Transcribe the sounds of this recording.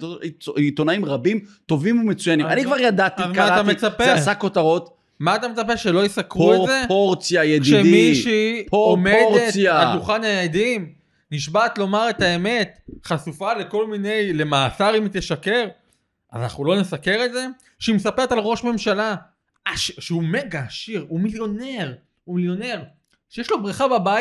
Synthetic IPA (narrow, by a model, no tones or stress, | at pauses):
it̪o̞naimʁabimt̪o̞vimumet͡sujanimmanikvaʁjad̪at̪izmaatamet͡sapeasakotaʁo̞t̪ | maːt̪amet͡sap̬eʁʃelo̞jesakʁuezepoʁt͡sjajekd̪iʃemiʃipoomedʁetaaduχanajed̪im | niʃbat̪lo̞maʁe̞t̪ae̞me̞t̪χasufale̞ko̞lmine̞jle̞maːsaʁimit̪eʃake̞ʁ | ʔa̰zana̰χnulo̞nesake̞ʁe̞tze̞ | ʃimesape̞ʁetalʁo̞ʃme̞mʃala | aʃʃeume̞ɡaːʃiʁumiljo̞ne̞ʁ | umiljo̞ne̞ʁ | ʃejeʃlo̞bʁiχababaj